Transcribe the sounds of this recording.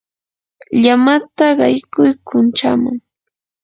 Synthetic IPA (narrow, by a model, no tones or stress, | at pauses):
ʎamat̪aɢɑjkʊjkʊnt͡ʃama̰ŋ